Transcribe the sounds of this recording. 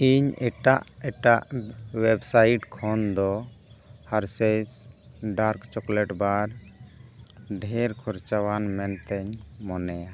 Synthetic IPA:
iɲɛʈaʔɛʈaʔwɛbsaiʈkʰɔnd̪ɔ | haɾsɛsɖaɾkt͡ʃɔklɛʈbaɾ | ɖʱɛɾkʰɔɾt͡ʃawanmɛnt̪ɛɲmɔnɛja

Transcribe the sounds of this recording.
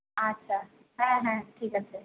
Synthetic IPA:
ɐtːʃʰaː | ɦɛ̃ɦɛ̃ʈʰiːkət͡ʃʰe

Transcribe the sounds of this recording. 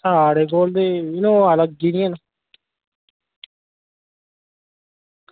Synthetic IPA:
saːɽeːk̬oːld̪eːɪnõːələɡ̚d͡ʒiːniẽːna

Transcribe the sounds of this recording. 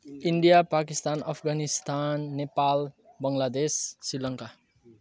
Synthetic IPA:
iɳɖijapakist̪anʌpʰɡanist̪anːepal | bʌŋlad̪esːilʌŋka

